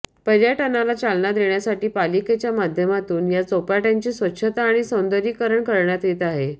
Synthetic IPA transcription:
pəɾjaʈənalat͡salnad̪eɳjasaʈiːpaliket͡ɕjamad̪ʱjəmat̪uːnjat͡sopaʈẽnt͡ɕiːsʋətːɕʰət̪aːɽ̃isəwnd̪əɾiːkəɾəɳkəɾɳjat̪jet̪aɦe

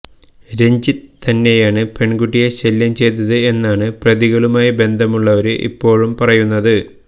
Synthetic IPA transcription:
ɾe̞ɲd͡ʑit̪ɐnːe̞jaːɳɨpe̞ɳɡuʈːijeɕeljɐmt͡ɕe̞jt̪ɐðɨe̞nːaːɳɨprɐðiɣɐɭumaːjibe̞nd̪ʱɐmuɭːɐʋɐɾɨʔḭpːo̞ːɻumpɐrɐjunːɐðɨ

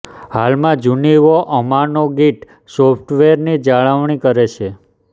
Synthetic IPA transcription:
halmãd͡ʒuniʋoʔəmanoɡiʈ | sopʰʈʋeɾnid͡ʒaɭaʋɳ̃ikəɾet͡ʃʰe

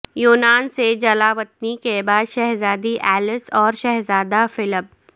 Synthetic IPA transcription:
juːnaːnsed͡ʒɐlaːʋət̪̚nikebaːd̪ʃɛɦzaːd̪iʔɛːlɪsɔːɾʃɛɦzaːd̪afɪləb̚

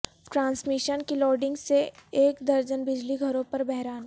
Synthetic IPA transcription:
ʈɾãːnsmɪʃənkilɔːɾɖɪ̃ŋɡseeːkd̪ɐɾd͡ʒənbɪd͡ʒliɡʱɐɾõpɐɾbɛɦɾaːn

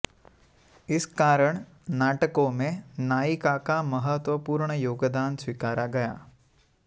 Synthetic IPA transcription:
ɪskaːɾəɽ̃ | naːʈəkõmẽnaːikakaməɦət̪wəpuːɾɳəjoːɡd̪aːnswikaːɾaɡɐja̰ː

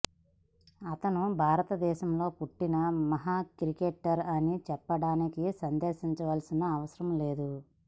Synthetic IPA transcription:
ɐt̪ɐnubʱaːɾɐt̪ɐd̪ɛːʃɐmlo̞ːpuʈːinɐmɐɦaːkɾikeʈːɐɾɐnit͡ʃɛpːɐɽaːnikisɐnd̪ɛːʃiɲt͡ʃɐʋaːlsinɐːʋɐsɐɾɐmle̞ːd̪u

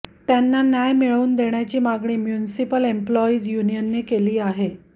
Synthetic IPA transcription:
t̪janːanjajmiɭuːnd̪eɳjat͡ɕiːmaɡɳiːmjunisipəlemplɔiːd͡zjunijənːekeliːaɦe

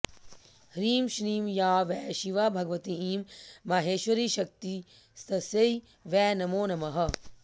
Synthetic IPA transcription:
hɾiːmʃɾiːmjaːʋɛːʃiʋaːbʱɐɡʋɐt̪iiːmːɐɦeːʃʋɐɾiːʃɐk̚t̪i | st̪ʰɐsei | ʋɛːnɐmoːnɐmɐɦɐ̆

